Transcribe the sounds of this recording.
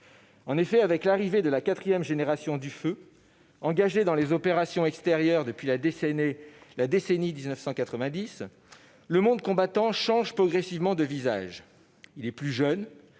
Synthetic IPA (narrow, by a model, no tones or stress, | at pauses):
ɑ̃nefɛavɛklaʁived̪əlakat̪χijɛmʒeneʁasjɔ̃d̪yfø | ɑ̃ɡaʒed̪ɑ̃lezɔpeʁasjɔ̃ɛkst̪eʁjœʁd̪əpɥila | lad̪esenid̪iznəfsɑ̃kat̪χəvɛ̃d̪is | ləmɔ̃d̪̚kɔ̃bat̪ɑ̃ʃɑ̃ʒpχɔɡʁɛsivmɑ̃d̪əviza̰ʒ | ilɛplyʒœn